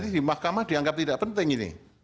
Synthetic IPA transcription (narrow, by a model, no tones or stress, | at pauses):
didimahkamahd̥iaŋɡap̚t̪idaʔpənt̪ɪŋinḭ